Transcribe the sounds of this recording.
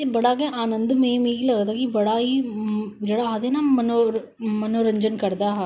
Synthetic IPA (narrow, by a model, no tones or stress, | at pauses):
ebəɽaːkeʔaːnə̃nd̪mẽːmẽːiləɡd̪aːkibəɽaːɦiːd͡ʒeːɽaːɦad̪enaːməno | mənoːɾəɲd͡ʒənkəɾd̪aːɦa